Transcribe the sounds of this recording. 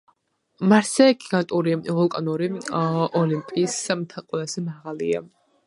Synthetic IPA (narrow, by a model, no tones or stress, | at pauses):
maɾsɛɡiɡant̪ʼuɾivɔlˠkʼɔnuɾiɔlimpʼiːst̪ʰɛlˠqʼwɛlˠaz̥ɛmaʁalia